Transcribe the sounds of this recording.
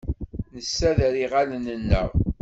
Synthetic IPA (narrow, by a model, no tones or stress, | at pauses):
nəsːæðɾiʁalnːənːə̰ʁ